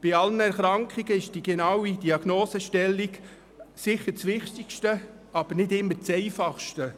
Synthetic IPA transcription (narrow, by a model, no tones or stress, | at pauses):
b̥ɪɑlənɛɾχɾɑŋkχiɡ̥əɪʃd̥iɡɛnɑwid̥iɑɡ̥noːsəʃtɛlːiɡ | sɪχəɾt͡sʋɪχt̪ikʃtə | ɑb̥əɾnɪdɪmːət͡sɛɪfɑχʃtə